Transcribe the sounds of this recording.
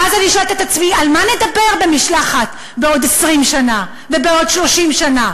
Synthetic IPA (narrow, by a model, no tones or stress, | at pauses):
azaniʃoeltet̪at͡smialmane̞d̪abe̞ʁbe̞miʃlaχat | beo̞desʁimʃana | vebeo̞dʃlo̞ʃimʃana